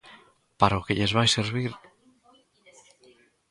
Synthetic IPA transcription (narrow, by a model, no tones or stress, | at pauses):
paɾaokeʎezβajseɾβiɾ